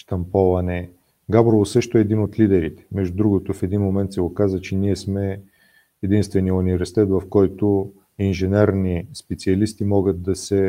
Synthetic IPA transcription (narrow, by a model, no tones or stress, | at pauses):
ʃt̪ɐmpɔvɐnɛ | ɡabɾovˠosɤʃt̪oɛːd̪inot̪lid̪ɛɾit̪ɛ̥mɛʒd̪ud̪ɾuɡot̪ofɛd̪inmomɛnt̪sɛɡokazət͡ʃɛniɛsmɛ | ɛd̪inst̪vɛnionʲivɾsi̥t̪ɛt̪vɐfkɔjt̪o | inʒɛnɛɾnispɛt̪siɐlist̪imɔɡət̪̚d̪ɐsɛ